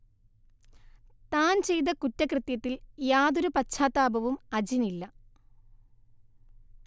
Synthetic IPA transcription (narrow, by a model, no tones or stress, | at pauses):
t̪aːnt͡ɕe̞jt̪̬ɐkutːɐkrɨt̪jɐt̪ːiljaːðoɾupɐt͡ɕʰaːt̪ːaːbɐʋumɐd͡ʑinilːɐ